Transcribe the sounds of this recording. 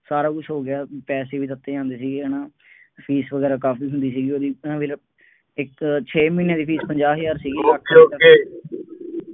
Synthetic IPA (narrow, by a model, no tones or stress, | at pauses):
saːɾaːkʊt͡ʃʰɦoːɡɪaːpɛːseːʋiːt̪ət̪ːeːãːnd̪eːsiːɡeːənãː | pʰiːsʋəɡɛːɾaːkaːpiːɦʊ̃nd̪iːsiːɡiːoːd̪iːãːʋɪl | ɪkt͡ʃʰeːmĩːnẽːd̪iːpʰiːspəɲd͡ʒaːɦjaːɾsiːɡiːəkʰːoə